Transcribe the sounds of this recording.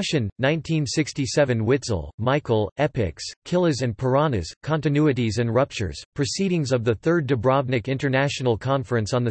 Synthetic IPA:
ʃɨ̃nːãɪ̃ntʰĩnsɪkstisɛvɨ̃nwɪtsl̩ˠmaɪkl̩ˠɛpɪ̰kskʰɪlˠɨzɨ̃npʰə˞ɑnɨ̰z̥kʰɑ̃ntɨnʉɨɾizɨ̃nɹʌp̚t͡ʃə̰˞z̥pʰɹ̥ɨsiɾɪ̃ŋzʌvðɨθɜ˞dɨbɹɑb̚nɨkɪ̃ntə˞næʃn̩l̩ˠkʰɑ̃ɱfɹɨ̃nsn̩ðɨ

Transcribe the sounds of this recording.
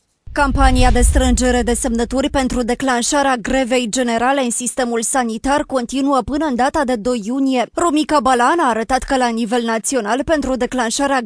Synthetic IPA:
kampaniad̪e̞st̪ɾɨnd͡ʒe̞ɾe̞d̪e̞se̞mnət̪urʲpe̞nt̪ɾud̪e̞klanʃaɾeaɡɾe̞ve̞jd͡ʒe̞ne̞ɾale̞ɨnsist̪e̞mulsanit̪arko̞nt̪inuəpɨnəɨnd̪at̪ad̪e̞d̪o̞jːunije̞romikabalanaːɾət̪at̪kəlanive̞lnat̪sio̞nalpe̞nt̪ɾud̪e̞klanʃaɾea

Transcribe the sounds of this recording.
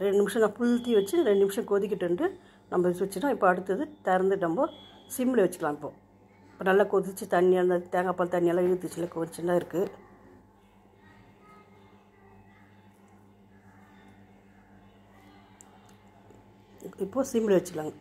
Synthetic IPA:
ɾɛɳɖɯnɪmʂɐ̃naːɐfʊlt̪ːiʋɐt͡ʃːɯɾɛɳɖɯnɪmʂɐ̃koðɪk̬ʲːɪʈːɯɳɖɯ | nɐmbɐsʋɐt͡ʃːɯnãːɪpːoːɐɽɯt̪ːɐðɯt̪ɛɾɐnd̪ɯnɐmboː | sɪmbɪɭeʋɐt͡ʃːɯ̥kːɐlãːŋɪpːoː | ɪpːoːnɐlːɐkoðt͡ʃːɯt̪ɐnːɪjaːnd̪aðt̪eːŋɡapːaːlt̪ɐɳːɪjaːlːãɪɻɯt̪ːɯt͡ʃːɪlːɐkːoːt͡ʃːɯnaːɪɾɯkːɯ | ɪpːoːsimbɪleʋɐt͡ʃːɯkːɭlaːŋɡɐ

